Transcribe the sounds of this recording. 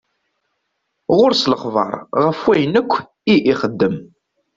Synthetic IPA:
ʁʊɾsləχvɑ̰ɾˤʁəfwæjənəkʷː | iʔiχəd̪ːəm

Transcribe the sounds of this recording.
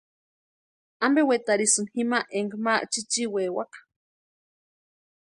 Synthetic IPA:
ambewet̪aɾisɨnhimaʔeŋɡmaʔt͡ʃit͡ʃiweːwakḁ

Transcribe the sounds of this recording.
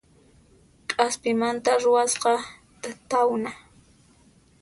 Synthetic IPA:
kʼaspɪmant̪aɾʊwasqɑ | t̪awna

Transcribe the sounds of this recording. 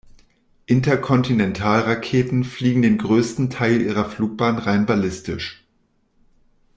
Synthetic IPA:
ʔɪntɐkʰɔntinɛntʰaːlʁakʰeːtn̩fliːɡŋ̩deːnɡʁøːstn̩tʰaɪlʔiːʁ̞ɐfluːk̚b̥aːnʁaɪnbalɪstɪ̰ʃ

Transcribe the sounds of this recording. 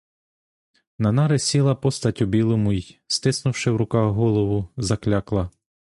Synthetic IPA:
nɐnɑɾesʲilˠɐpɔst̪ɐtʲʊbʲilˠɔmʊjst̪ɪsnʊwʃɪwɾʊkɑɣɦɔlˠɔʋʊzɐklʲɑklˠɐ

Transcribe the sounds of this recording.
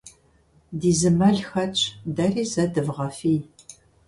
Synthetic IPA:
diːzɨmɐɮxɐt͡ʃʼʰdɐriːzɐdɨvʁɐfiːj

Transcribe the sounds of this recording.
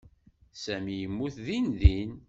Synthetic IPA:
sæmijəmːuθðinðin

